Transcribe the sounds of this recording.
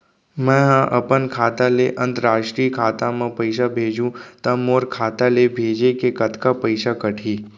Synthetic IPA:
mɛ̃ɦãʔɐpənkʰaːt̪aleʔə̃nt̪əɾaːʃʈɾiːkʰaːt̪ãmãpəɪʃ̬abʱeːd͡ʒũt̪amoːɾkʰaːt̪alebʱeːd͡ʒekekət̪ʰkapəɪʃakəʈʰiː

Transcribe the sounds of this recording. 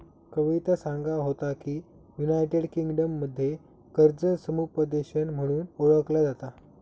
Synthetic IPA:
kəʋit̪asaŋɡaɦot̪akiː | junajʈeɽkiŋɡɖəmːəd̪ʱːje | kəɾd͡zəsəmupəd̪eɕənm̤əɽ̃uːnoɭəklad͡zat̪a

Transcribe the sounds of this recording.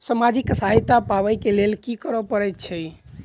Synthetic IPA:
səmad͡ʒiksaɦit̪apaʋəjkelelkikəɾəpəɾɛt̪t͡ʃʰɛj

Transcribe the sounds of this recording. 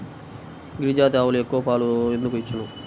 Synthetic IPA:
ɡɾid͡ʒaːt̪̬aːwuluekːuʋɐpaːluend̪ukuit͡ʃːunu

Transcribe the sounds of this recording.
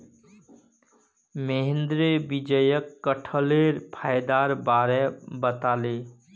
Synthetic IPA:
meɦend̪ɾebid͡ʒəjəkːəʈʰəleɾpʰajd̪aːɾbaːɾɛbət̪aːle

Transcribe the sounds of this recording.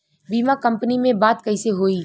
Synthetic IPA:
biːmakɐ̃mpnimẽbaːt̪kɐɪseɦoːiː

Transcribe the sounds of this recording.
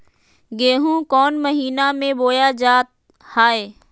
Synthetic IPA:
ɡeːɦũkɔːnməɦiːnamẽboːjad͡ʒaːt̪̚ | haːeː

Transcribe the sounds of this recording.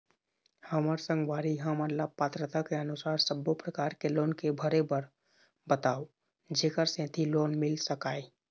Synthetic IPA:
həməɾsə̃ŋɡʋaːɾiɦəmənlapaːt̪ɾət̪akeənʊsaːɾsəbːopɾəkaːɾkeloːnkebʱəɾebəɾ | bət̪aːo | d͡ʒeːkəɾsẽt̪ʰiloːnmɪlsəkaːe

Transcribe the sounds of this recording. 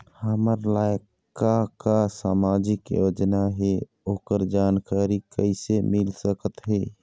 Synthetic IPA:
həməɾlaːj | kakasaːmaːd͡ʒɪkjo̰ːd͡ʒnaɦɛ | oːkəɾd͡ʒaːnkaːɾikə̰ɪsemɪlsəkət̪ɦɛː

